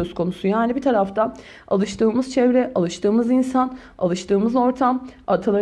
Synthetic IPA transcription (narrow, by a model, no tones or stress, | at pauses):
øzkʰo̞nusujaːnibit̪ʰaɾaft̪ʰa | a̰lˠɯʃt̪ʰɯːmɯzt͡ʃʰɛvɾɛʔalˠɯʃt̪ʰɯːmɯzinsan | a̰lˠɯʃt̪ʰɯːmɯzo̞ɾt̪ʰamat̪ʰalˠa